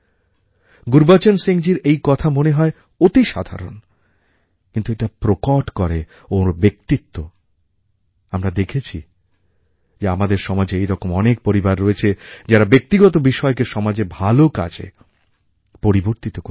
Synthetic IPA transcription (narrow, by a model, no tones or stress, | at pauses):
ɡuɾbat͡ɕonseŋd͡ʑiɾejkɔt̪ʰamoneɦɔe | ot̪iʃa̰d̪ʱa̰ɾo̰n | kint̪ueʈapɾokoʈkɔɾe | obek̚t̪it̪ːo | amɾad̪ekʰet͡ɕʰi | d͡ʑeamad̪eɾʃɔmad͡ʑeejɾɔkomɔnek̚poɾibaɾːoet͡ɕʰed͡ʑaɾabek̚t̪iɡɔt̪obiʃɔekeʃɔmad͡ʑebʱaloka̰d͡ʑḛ | poɾiboɾt̪it̪oko